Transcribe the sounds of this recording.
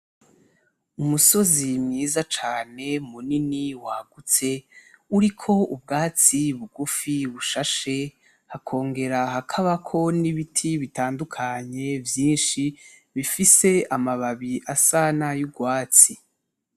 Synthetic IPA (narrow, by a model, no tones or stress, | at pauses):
umuso̞zimŋiːzat͡ʃaːne̞muniniwaɡ̥ut͡se̞uɾikʰo̞ub̚ɡaːt͡siβuɡufiβuʃaʃe̞ | hakʰo̞ːŋɡe̞ɾaɦakʰaβakʰo̞niβitʰiβitaːndukʰaɲe̞vjiːnʃi | βifise̞amaβaβiʔasanajuɡwaːt͡si